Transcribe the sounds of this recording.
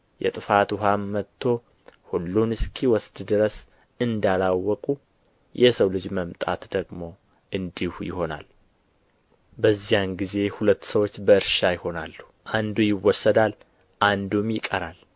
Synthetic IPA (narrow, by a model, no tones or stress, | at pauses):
jɛ̰t̪ʼɨfat̪uɦamːət̪ʰːo̞ | hulːunɨskʰiwɔsd̪d̪ɨɾəs | ɨnd̪alawːɔkʼu | jɛsəwlɨd͡ʒməmt̪ʼa̰t̪d̪əɡmo̞ | ʔɨnd̪ihujɪ̰ho̞na̰l | bəzːijanɡize̞hulət̪ːsəwo̞t͡ʃːbəɨɾʃajɪho̞nalːu | ʔand̪ujɪwːɔsːəd̪al | ʔand̪umjɪkʼːəɾal